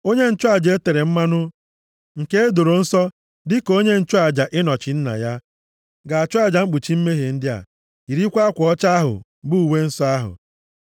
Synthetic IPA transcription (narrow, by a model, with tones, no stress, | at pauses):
o˦ɲe˦n̩˦t͡ʃʊ˦a˦d͡ʒe˦te˨ɾe˨m̩˦ma˦nʊ˦ | ŋ̩˨ke˦e˦do˨ɾo˨n̩˦sɔ˦ | dɪ˦ko˦ɲe˦n̩˦t͡ʃʊ˦a˨d͡ʒa˨ʔɪ˦nɔ˨t͡ʃɪ˨n̩˦na̰˨ja˦ | ɡa˨a˨t͡ʃʊ˦a˨d͡ʒa˨ŋ͡m̩˦k͡pu˨t͡ʃi˦m̩˦me˦ɦe˨n̩˦dɪ˦a̰˨ | i˨ɾi˦kʷa˦a˦kʷɔ˦t͡ʃa˦ɦʊ̰˨ | bu˦u˨we˦n̩˦sɔ˦a˦ɦʊ̰˨